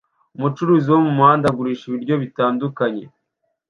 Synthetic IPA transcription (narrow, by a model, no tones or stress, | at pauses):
umut͡ʃuɾuːziwo̞mumuhaːndaɡuɾiːʃiβiɾɟo̞βitaːndukaɲe̞